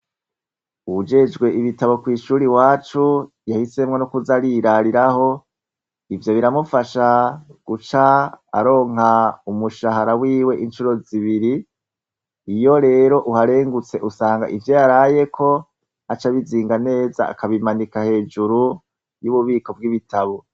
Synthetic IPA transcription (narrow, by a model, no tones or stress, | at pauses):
uud͡ʒe̞d͡ʒɡwe̞ʔiβitaβo̞kwiːʃuːɾiwaːt͡ʃu | jahise̞mŋe̞nukuzaɾiɾaɾiɾaho̞ | ivjo̞βiɾamufaʃaɡ̥ut͡ʃa̰ːɾo̞ːŋhaumuʃahaɾawiːwe̞ʔint͡ʃuɾo̞ziβiɾi | jo̞ɾe̞ːɾo̞ʔuhaɾe̞ːŋɡut͡se̞ʔusaːŋɡa̰ʔivjo̞jaɾaje̞kʰo̞ | at͡ʃaβiziːŋɡane̞ːza̰a̰kaβimanikahe̞ːd͡ʒuɾu | juβuβiːko̞bɡiβitʰaβo̞